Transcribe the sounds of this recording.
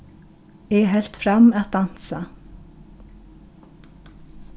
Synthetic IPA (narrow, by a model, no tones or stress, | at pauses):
ɛɦɛl̥t̪fɾamaðd̪an̥sa